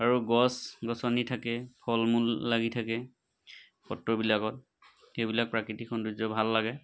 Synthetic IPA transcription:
aɹuɡɔsɡɔsɔnitʰakɛpʰɔlmulːaɡitʰakɛ | pɔtɹɔbilakɔt̚ | xejbilak̚pɹakɹitikʰɔnduzɔbʱalːaɡɛ

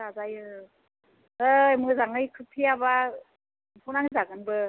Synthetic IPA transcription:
azajɯ | ɯjmɯzaŋɯjkʰɯpʰiaba | pʰunaŋzaɡɯnbɯ

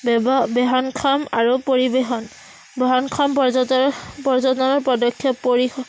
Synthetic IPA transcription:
bbɛɦɔnkʰɔmaɹupoɹibexɔn | bɔɦɔnkʰɔmpɔ | pɔɹzɔdɔnɔɹpɔdɔkʰːjɔpːoɹix

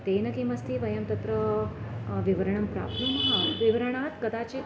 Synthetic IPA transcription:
t̪eːnɐkimɐst̪ʰiʋɐjɐmt̪ɐt̪ɾə | ʋiʋɐɾɐɳ̃ɐmpɾa̰ːpnumɐɦaʋiʋɐɾəɳ̃aːt̪kɐd̪aːt͡ʃi

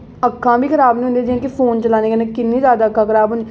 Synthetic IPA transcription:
əkʰːãːbiːkʰəɾaːbnĩːʊ̃nd̪eːd͡ʒ̪iãːkɪpʰoːnt͡ʃəlaːneːɡeːnẽkɪnːĩːzjaːd̪aːkʰːãːkʰəɾaːbɦʊne

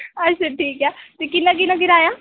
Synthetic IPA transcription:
ətːʃaʈʰiːkɛːt̪ekɪnãːk̬ɪnãːɡɪɾaːjaː

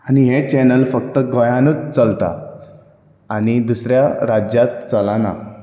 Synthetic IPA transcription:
aniɦet͡ɕenəlfəkt̪əɡojãnut͡st͡səlt̪a̰ | anid̪usɾjaɾad͡ʑjat̪t͡səlana̰

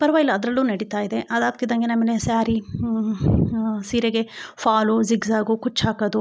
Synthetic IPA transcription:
pɐɾʋɐjlɐːd̪ɾɐlːuːnɐɽit̪aːjid̪e̞ʔɐd̪aːɡ̚t̪id̪ɐŋɡenɐmilesaːɾi | siːɾeɡefʰaːluziɡzaːɡukut͡ʃːaːkɐd̪u

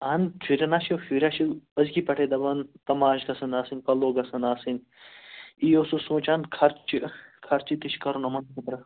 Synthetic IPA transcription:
aːnt͡ʃʰiɾʲɐnaːʃiofiɾʲaʃiɐzkipɐʈʰeːd̪ɐbɐnt̪ɐmaːʃɡɐsɐnaːsinkɐlːoːɡɐsɐnaːsin | iːosusõːt͡ʃaːnkʰɐɾt͡ʃikʰɐɾt͡ʃit̪iʃkɐɾunɐmɐnkit̪ɾɐ

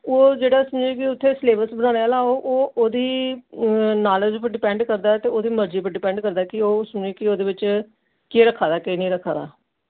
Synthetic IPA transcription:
oːd͡ʒeːɽaːsʊmd͡ʒeːk̬ɪʊt̪ʰːeːsleːbəsbənãːnealaːoːʔoːʔoːd̪iː | naːləd͡ʒpəɾɖɪpɛ̃ːɳɖkəɾd̪aːt̪eːoːd̪iːməɾd͡ʒiːpəɾɖɪpɛ̃ːɳɖkəɾd̪aːkɪoːsʊmd͡ʒeːkɪoːd̪eːbɪt͡ʃ | keːɾəkʰːaːd̪aːkenĩːɾəkʰːaːd̪a̰ː

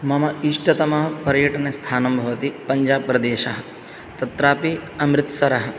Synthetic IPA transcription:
mɐmɐiʂʈɐt̪ɐmɐɦɐpɐɾjɐʈɐnest̪ʰaːnɐmbʱɐʋɐt̪ipɐɲd͡ʒaːb̚pːɾɐd̪eːʃɐɦɐ | t̪ɐt̪ɾaːpiɐmɾɪt̪sɐɾɐɦɐ̆

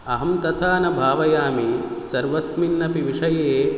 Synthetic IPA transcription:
ɐɦɐmt̪ɐt̪ʰaːnɐbʱaːʋɐjaːmisɐɾʋɐsminːɐpiʋiʂɐjeː

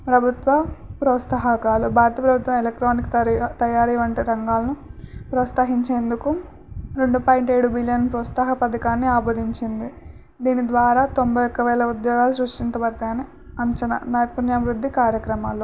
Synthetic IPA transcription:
pɾɐbʱut̪ʋɐpɾɐːst̪ɐɦɐkaːlubʱaːɾɐt̪ɐpɾɐbʱut̪ʋɐmelek̚ʈɾoːnik̪t̪ɐjaːɾiːʋɐɳʈiɾɐŋɡaːlɐnupɾɐt̪saːɦiɲt͡ʃe̞ːnd̪uku | ɾe̞ɳɖupaːjiɳʈeːɽubilijɐnpɾɐːst̪ɐɦɐpɐd̪ɐkaːnːiaːboːd̪iɲt͡ʃind̪i | d̪iːnid̪ʋaːɾaːt̪o̞mbɐjokːɐʋɛːlɐud̪jɔːɡaːlusɾuʂʈint̪ɐbɐɾt̪aːni | ɐɲt͡ʃɐnɐ̰naːjɐpunjɐmɾud̪ʱːikaːɾjɐkɾɐmaːlu

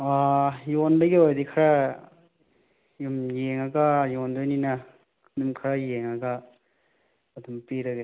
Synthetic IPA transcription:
ajondɐɡiojdikʰaɾa | jumjeŋɐɡɐjondojnina | numkʰɐɾajeŋɐɡɐ | ɐdumpiɾɐɡe

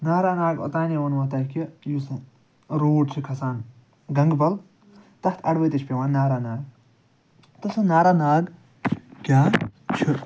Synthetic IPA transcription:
naːɾaːnaːɡo̰t̪aːnewɐnɐt̪ɐːkijusɨ | ɾoːɖt͡ʃʰikʰɐsaːn | ɡɐŋɡbɐl | t̪ɐt̪ʰɐɽʋɐjt̪it͡ʃʰpʲeʋaːnnːaːɾaːnaːɡ | t̪ɐsɨnaːɾaːnaːɡ | kʲaːt͡ʃʰi

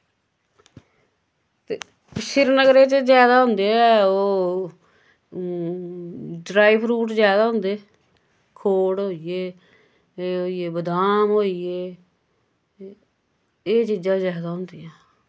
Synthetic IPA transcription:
t̪eː | ʃɪɾnəɡɾeːt͡ʃzjaːd̪aːɦʊnd̪eːɛːoː | ɖɾaːibɾuːʈzjaːd̪aːɦʊ̃nd̪e | kʰoːɽɦoːieː | ɦoːieːbəd̪aːmɦoːieː | eːt͡ʃiːd͡ʒãːzjaːd̪aːɦʊnd̪iːãː

